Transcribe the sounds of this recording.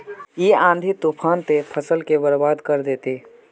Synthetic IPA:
iãːnd̪ʱit̪upʰaːnt̪epʰəsəlkebəɾbaːd̪kəɾd̪eːt̪eː

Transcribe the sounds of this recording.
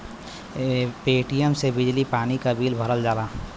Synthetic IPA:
peːʈijəmsebɪd͡ʒlipaːnikabiːlbʱəɾəld͡ʒaːlaː

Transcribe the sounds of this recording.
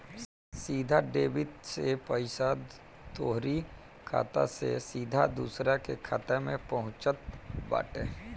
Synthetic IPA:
siːd̪ʱaɖeːbɪt̪sepəɪsa | t̪oːɦɾi | kʰa̰ːt̪a̰sḛsiːd̪ʱad̪uːsɾakekʰat̪emẽpɐɦʊ̃t͡ʃət̪̚ba̰ːʈeː

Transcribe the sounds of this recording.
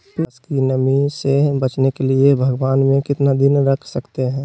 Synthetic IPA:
pskinəmisebɐt͡ʃnekeliebʱəɡʋaːnmẽkɪt̪nad̪ɪnɾɐkʰsɐkt̪eɦɛ̃ː

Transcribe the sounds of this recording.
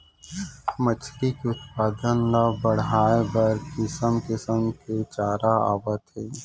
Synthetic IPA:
mət͡ʃʰʈikeʊt̪paːd̪ənlabəɽaːebɐɾkɪsəmkɪsəmket͡ʃaːɾaa̰ːwət̪ɦe

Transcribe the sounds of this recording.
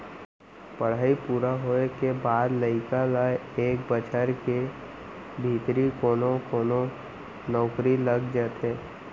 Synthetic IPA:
pəɽ̤aːipuːɾaɦoːekebaːd̪ləɪkalajeːkbət͡ʃʰəɾke | bʱiːt̪ɾikoːnokoːno | nɔːkɾiləɡd͡ʒəːt̪eː

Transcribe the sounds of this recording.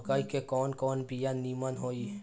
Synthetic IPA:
kaikekɔːnkɔːnbijanimənɦoi

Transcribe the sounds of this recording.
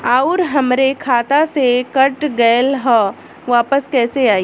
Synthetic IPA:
aːʊɾɦɐmɾekʰaːt̪asekɐʈɡəːlɦɔ | ʋaːpəskɛːseaːi

